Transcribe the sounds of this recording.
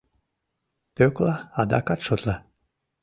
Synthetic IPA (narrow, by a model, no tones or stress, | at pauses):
pøklˠaad̪a̰kat̪ʂot̪lˠa